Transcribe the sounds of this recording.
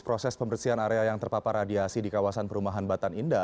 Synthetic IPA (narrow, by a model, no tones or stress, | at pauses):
pɾɔsɛspəmərsianaɾeajaŋt̪ərpapaɾadiasidikawasanpəɾumaɦanbat̪aninda